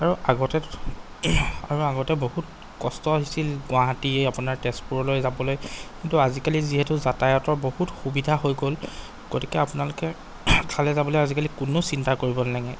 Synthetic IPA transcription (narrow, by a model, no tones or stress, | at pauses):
aɹuaɡɔtɛ | a̰ɹuaɡɔtɛboɦut | kɔstɔɦisilɡʊwaɦatieapunaɹtɛspuɹɔlojzabɔlojkintuazikaliziɦɛtuzatajɔtɔɹbohutxubidʱaɦojɡol | ɡ̥oti̥kɛapʊnalʊkɛ | kʰalɛzabɔlojazikalikunosintaɹkoɹibɔnnaɡɛ